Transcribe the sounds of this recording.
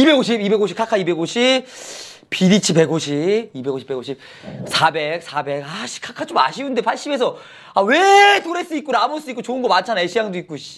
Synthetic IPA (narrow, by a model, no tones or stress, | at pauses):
ibe̞ɡoɕ̬ʰibibe̞ɡoɕʰi̥pkʰakʰaibe̞ɡoɕʰi | pʰidit͡ɕʰipe̞ɡoɕʰibibe̞ɡoɕʰi̥pe̞ɡoɕʰip̚ | sʰabe̞k̚sʰabe̞kaɕʰi̥kʰakʰat͡ɕ͈oma̰ɕʰiunde̞pʰaɭɕ͈ibe̞s̬ʰʌ | awe̞toɾes͈uit̚k͈onamoɭs͈uik͈ot͡ɕoɯnɡʌmant͡ɕʰanaeɕʰijaŋdoik̚k͈oɕ